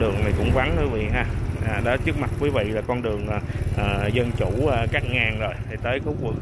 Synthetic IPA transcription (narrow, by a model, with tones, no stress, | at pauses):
ɗɨ˨˩əŋna˨˩jkʊ̰˧˥ŋ͡mva˨˦nt̪ə˧˨˦vḭ˧˨ɦaː˧ʔaː˨˩ɗɔ˨˦t͡ɕɨ˦˥ək̚ma˨˩t̚vəː˨˦jvḭ˧˨laː˨˩kɔ˧nɗɨ˨˩əŋʔəː˨˩ʔəː˨˩zə˧nt͡ɕuː˧˩˨kaː˦˥k̚ŋaː˨˩nzo˨˩jt̪ʰi˨˩t̪əː˨˦jko˨˦kwu˨˩ək